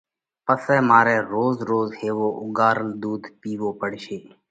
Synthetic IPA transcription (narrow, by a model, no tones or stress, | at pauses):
pəsɛːmaːɾɛ̃ːɾoːzɾoːzheːʋoːʔʊ̰ɡaːɾəld̪uːd̪piːʋoːpəɽʃeː